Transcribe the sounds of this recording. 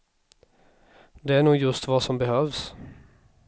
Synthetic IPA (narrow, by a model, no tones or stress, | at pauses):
d̪eːæːnuːjʉst̪ʋɑːsɔmbəhøːʋs